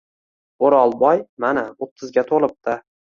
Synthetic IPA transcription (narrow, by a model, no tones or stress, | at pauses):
oɾɒlˠbɒjmanaʊt̪ʰɪzɡʲat̪ʰolˠɪp̚t̪ɪ